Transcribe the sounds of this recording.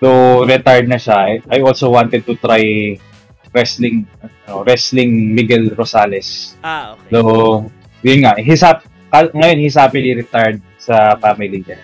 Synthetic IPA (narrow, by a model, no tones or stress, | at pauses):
d̪oɾɛt̪aɹd̪̚nɐʃaʔajʔolsowant̪ɛd̪̚t̪ʊt̪ɾaj | ɹɛslɪŋɐnoɾɛslɪŋmɪɡɛlɾosaːlɛs | do | jʊnŋaʔɦisap | kaŋɐjo̞nhɪsaːpɪniɾɛt̪aɹd̪̚sɐfamɪliɲan